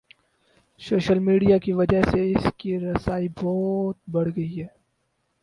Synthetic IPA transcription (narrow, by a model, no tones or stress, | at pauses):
soːʃəlmiːɖijakiʋɐd͡ʒəɦseɪskiɾɐsaːibɔːt̪̚bɐɽ̤ɡɐiɦɛː